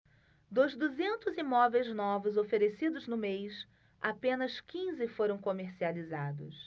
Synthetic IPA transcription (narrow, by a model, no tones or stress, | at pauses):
d̪ozd̪uzẽnt̪ʊzimɔvejznɔvʊzofeɾesid̪ʊznʊmejs | apẽnɐskĩzɪfoɾɐ̃w̃komeɾsializad̪ʊs